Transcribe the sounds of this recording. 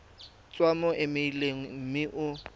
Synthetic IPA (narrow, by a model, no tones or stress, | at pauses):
t͡sʼwamɔʔɪmeileŋ̩mɪʔʊ